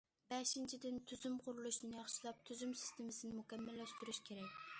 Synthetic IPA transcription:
b̥ɛʃint͡ʃʰid̪ɪnt̪ʰyzymqʰʊɾulˠuʃnɪjɑχʃilˠɑp̚t̪ʰyzymsɪ̥st̪emɪsɪnɪmukʲɛmːælːɛʃt̪yɾyʃkʲʰeɾɛkʲ

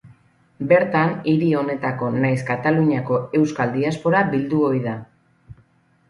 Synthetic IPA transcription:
be̞ɾt̪aniɾio̞ne̞t̪ako̞najs̬kat̪aluɲako̞e̞wskald̪iaspo̞ɾabild̪uojða

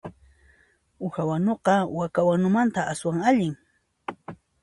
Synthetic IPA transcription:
ʊxawanoqɑwakawanʊmant̪aʔaswaŋaʎɪŋ

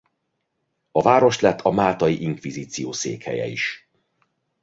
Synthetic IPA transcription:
ɒvaːɾo̞ʃt̪lɛt̪ʰːɒmaːt̪ɒjiʔiŋkʋiziːt̪sijoːsḛːkhɛ̰jɛ̰iʃ

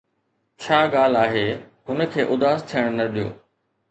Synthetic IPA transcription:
t͡ɕʰaːɠaːl̤aːɦeː | ɦʊnə̆kʰeːʔʊd̪aːst̪ʰijəɽ̃nɐɗijo̰ː

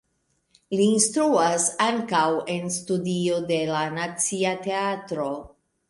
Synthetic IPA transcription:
liːnstɾuasaŋkawe̞nstudio̞de̞lanat͡siate̞atɾo̞

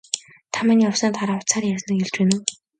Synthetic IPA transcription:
t̪ʰamaːniːɔwsəːnt̪ʰaɾaːʊt͡sʰaːrasnə̆kɵɮt͡ɕeːnŭ

